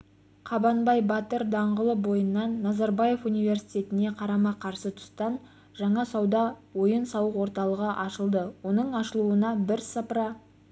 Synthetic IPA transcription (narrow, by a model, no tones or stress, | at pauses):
qʰɑbɑnbɑjbɑt̪əɾd̪ɑɴʁəlˠəbo̞jənːɑnːɑzɑɾbɑje̞funijvʲe̞rsi̥jt̪ʲe̞t̪ɪne̞qʰɑɾɑmɑqʰɑɾsət̪ʰʊ̥st̪ɑn | ʒɑɴɑsɑwd̪ɑwo̞jənsɑwəqwo̞ɾt̪ɑlˠəʁəʔɑʃəlˠd̪əwo̞nəɴɑʃəlˠuənɑbɪɾsɑpɾɑ